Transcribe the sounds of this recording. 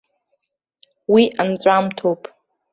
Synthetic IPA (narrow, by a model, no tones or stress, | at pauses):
wiʔant͡sʷʼamtʰopʼ